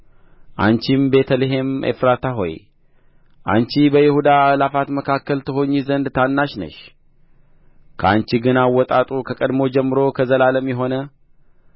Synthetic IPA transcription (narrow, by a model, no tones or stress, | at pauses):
ʔa̰nt͡ʃimbe̞t̪ʰəleɦe̞mḛfɾat̪ʰaɦo̞̰j | ʔa̰nt͡ʃibəjɪhud̪aːlafat̪məkʰakːəlt̪ʰɨɦo̞ɲːizənd̪t̪ʰanːaʃnə̰ʃ | kʰəa̰nt͡ʃiɡɨnawːɔt̪ʼat̪ʼukʰəkʼəd̪mo̞d͡ʒɛmːɨɾo̞kʰəzəlaləmjɛɦo̞nə